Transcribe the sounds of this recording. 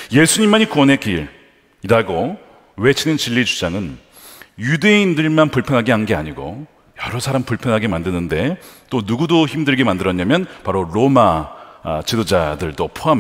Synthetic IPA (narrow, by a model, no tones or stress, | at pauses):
je̞sʰuɲimːaɲikuwʌnɦe̞ɡiɾ | iɾaɡo | we̞t͡ɕʰinɯnt͡ɕiʎːid͡ʑud͡ʑaŋɯn | jude̞indɯɭmanpuɭpʰjʌnɦaɡeɦanɡea̰ɲiɡo̰ | jʌɾʌsʰaɾampuɭpʰjʌnɦaɡe̞mandɯnɯnde̞t͈onuɡudoçimdɯɭɡe̞mandɯɾʌɲamjʌnpaɾoɾoma | t͡ɕidod͡ʑadɯɭd͈opʰoɦam